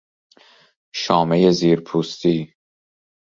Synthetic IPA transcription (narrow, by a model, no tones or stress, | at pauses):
ʃɒːmejeziːɾpʰuːst̪iː